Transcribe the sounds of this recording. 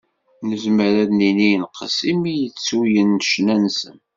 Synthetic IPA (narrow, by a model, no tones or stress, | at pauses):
nəzməɾæðnininqʰəsimijət͡sːujənːʃnænsən